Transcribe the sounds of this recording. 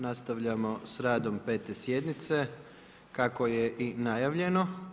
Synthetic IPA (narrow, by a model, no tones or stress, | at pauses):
nast̪aʋʎamo̞sɾaːd̪o̞mpe̞ːt̪e̞sjed̪nit̪se̞ | kako̞jeʔinajaʋʎe̞no̞